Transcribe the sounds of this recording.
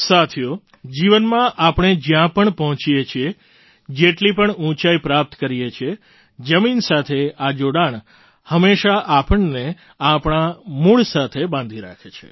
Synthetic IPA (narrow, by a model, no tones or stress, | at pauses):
sat̪ʰjo | d͡ʒiʋənmãʔapɳ̃ed͡ʒjãpəɳpəɦɔ̃t͡ʃijet͡ʃʰie | d͡ʒeʈlipəɳũt͡ʃaipɾap̚t̪kəɾijet͡ʃʰie | d͡ʒəminsat̪ʰead͡ʒoɽaɳ | həmeʃaʔapəɳːe | apɳ̃amuɭsat̪ʰebãnd̪ʱiɾa̰kʰet͡ʃʰḛ